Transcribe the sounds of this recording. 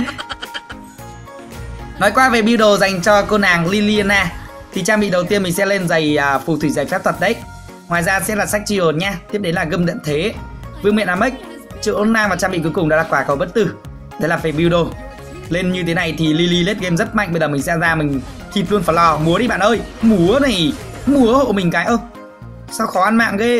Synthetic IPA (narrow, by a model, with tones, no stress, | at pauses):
nɔ˨˦jkwaː˧ve˨˩ɓi˧wɗo˨˩za˨˩jŋ̟t͡ɕɔ˧ko˧naː˨˩ŋli˧li˧nːaː˧ | t̪ʰi˨˩t͡ɕaː˧ɓḭ˧˨ɗə˨˩wt̪i˧ənmï˨˩ŋsɛ̰˧˥le˧nza˨˩jːfu˨˩t̪ʰwi˧˩za˨˩jfa˦˥p̚t̪ʰə˨˩t̚ɗə˧˦j | ŋwaː˨˩jzaː˧sɛ̰˧˥laː˨˩sa˦˥jk̚t͡ɕi˧˩ho˨˩n̚ɲaː˧t̪ʰi˦˥p̚ɗe˨˦nlaː˨˩ɣə˧mzə̰˧˨nt̪ʰe˨˦vɨ˧ŋmḭ˧˨nʔaː˨˩mə˦˥jk̚ | t͡ɕɨ̰˧˨ʔo˨˧˦nːaː˧vaː˨˩t͡ɕaː˧ɓḭ˧˨ku˨˦kʊ˨˩ŋ͡mɗa̰˧˥laː˨˩kwaː˧˩kə˨˩wɓə˦˥t̚t̪ɨ˧˩ | ɗe˨˦laː˨˩fɛ˨˩ɓi˧wɗo˧˩ | le˧nɲɨ˧t̪ʰe˨˦na˨˩jt̪ʰi˨˩li˧li˧le˦˥t̚ɣe˧mzə˦˥t̚ma̰˧˨jŋʔɓjzəː˨˩mï˨˩ŋsɛ˧zaː˧mï˨˩ŋ̟ | t̪ʰi˧˩p̚lu˧ənfaː˧˩jlɔ˧˩mu˨˦əɗi˧ɓa̰ː˧˨nʔəː˧jmu˨˦əna˨˩j | mu˨˦əho̰˧˨mï˨˩ŋ̟kaː˨˦jʔəː˧ | sa˧wxɔ˨˦ʔa˧nma̰ː˧˨ŋɣe˧